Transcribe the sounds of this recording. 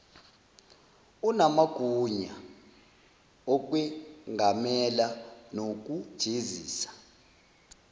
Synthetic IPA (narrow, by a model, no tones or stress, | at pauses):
unamaɡ̥ʱuɲa | ɔk̬ʼwɛŋʱamɛlanok̬ʼud̥ʒ̥ʱeziːsḁ